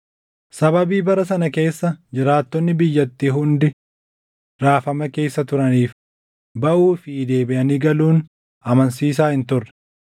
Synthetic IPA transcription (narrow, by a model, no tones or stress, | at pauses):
sɐbɐbiːbɐɾɐs̬ɐnɐke̞ːsːɐd͡ʒɪɾaːt̪ːɔnːɪbɪjːɐt̪ːiːɦʊnd̪ɪ | ɾaːfɐmɐke̞ːsːɐt̪ʊɾɐniːf | bɐʔuːfɪːd̪e̞ːbɪʔɐniɡɐluːn | ɐmɐnsiːs̬aːhɪnt̪ʊrːɛ̥